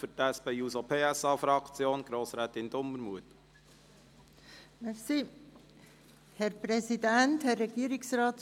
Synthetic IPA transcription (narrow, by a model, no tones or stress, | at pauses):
fətæspɛjuːsopʰeːæsɑːfɾɑkt͡sjoːnɡ̥ɾoːsɾɛːt̪ɪnd̪ʊmːəɾmuət̪ | mɛsi | hɛɾpɾɛsidænthɛrːɛɡ̥iːəɾɪksɾɑːt̪